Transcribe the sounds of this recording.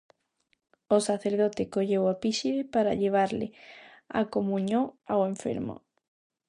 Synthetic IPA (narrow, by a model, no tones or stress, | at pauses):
osaθeɾð̞ot̪ɪkoʎewapiʃiðɪpaɾa̰ʎeβ̞aɾlɪ̰a̰komũɲõŋaweɱfḛɾmo̰